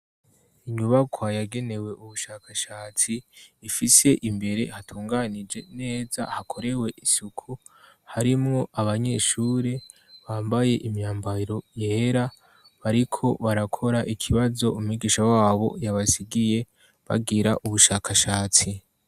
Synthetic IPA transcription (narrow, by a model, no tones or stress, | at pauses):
iɲuβakwajaɡe̞ne̞we̞ʔuβuʃaːkʰaʃaːt͡siːfise̞ʔimbe̞ɾe̞hatʰuːŋɡanid͡ʒe̞ne̞ːza̰hakʰo̞ɾe̞we̞ʔisukʰu | haɾimŋo̞ʔaβaɲe̞ʃuːɾe̞ | βaːmbaje̞ʔimɲaːmbaiɾo̞jeɾa | βaɾikʰo̞βaɾakʰo̞ɾaʔikʰiβazo̞umŋiɡiːʃawaːβo̞̰jaβasiɡije̞ | βa̰ɡiɾaʔuβuʃaːkʰaʃaːt͡si